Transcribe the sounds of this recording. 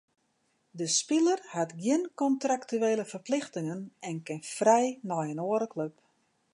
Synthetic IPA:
dəspɪlərhatɡjɪnkɔntraktyeːləfərplɪxtɪŋənɛnkɪnfrɛjnɔjənoəɾəkløp

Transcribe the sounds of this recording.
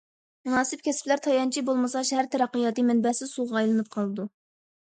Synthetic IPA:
munɑːsɪp̚kʲʰɛsplæɾt̪ʰɑjɑnt͡ʃʰibolˠmɨsɑʃhæɾt̪ʰɛɾɛqːijɑt̪ɨmɛnbɛsɪzsuʁɑɑjlˠɨnɨp̚qʰɑlˠɨd̪u

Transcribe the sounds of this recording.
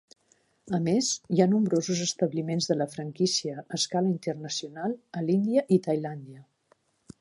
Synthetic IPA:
əmezjanumbɾozuzəst̪əβlimenzðələfɾəŋkisiəːskaləint̪ərnəsiunalˠəlind̪iəʔit̪əjland̪iə

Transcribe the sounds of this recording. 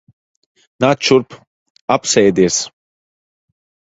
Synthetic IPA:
nat͡ʃuɾp | apsɛjd̪iɛs

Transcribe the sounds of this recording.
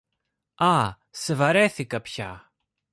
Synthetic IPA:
ɐ | sevɐɾeθikɐpçɐ̰

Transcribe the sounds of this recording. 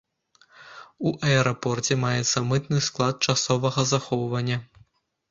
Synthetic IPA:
uʔɐɛɾapɔrt͡sʲɛmajɛt̪sːɐmɨt̪nɨsklˠat̪̚t͡ʂasɔvɐɣɐzaxɔwvɐnʲːɐ

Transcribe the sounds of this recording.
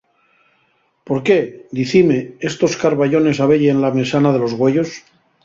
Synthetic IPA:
po̞ɾke̞d̪iθime̞est̪o̞skaɾβaʎo̞ne̞saβ̞eʎenlamesanað̞e̞lo̞zɣwe̞ʝo̞s

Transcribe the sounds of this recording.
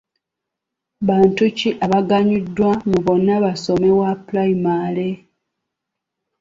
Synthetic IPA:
βaːntuciʔaβaɡaɲidːwamuβo̞nːaβaso̞me̞waplaimale

